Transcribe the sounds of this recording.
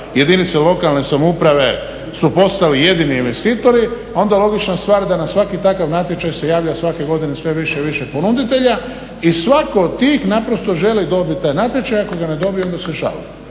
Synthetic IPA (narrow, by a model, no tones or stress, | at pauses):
je̞d̪init̪selo̞kalne̞samoupɾaʋe̞ | supo̞st̪alije̞d̪iniːnʋe̞st̪iːt̪oɾiao̞nd̪alˠo̞ɡit͡ʃnast̪ʋaːɾd̪anasʋakit̪akaʋnat̪je̞t͡ʃajse̞jaːʋʎasʋake̞ɡo̞d̪inesʋe̞ʋiʃeʋiʃepo̞nud̪it̪e̞ʎa | isʋako̞t̪iːxnapɾo̞st̪o̞ʒe̞lid̪o̞bit̪t̪ːaːjnat̪je̞t͡ʃajako̞ɡane̞d̪o̞bieo̞nd̪aseʃa̰lḭ